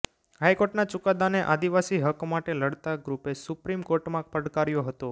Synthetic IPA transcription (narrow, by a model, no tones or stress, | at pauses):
ɦajkoɾʈnat͡ʃʊkad̪aneʔad̪iʋasiɦəkmaʈeləɽt̪aɡɾupesupɾimkoɾʈmãpəɽkaɾjoɦət̪o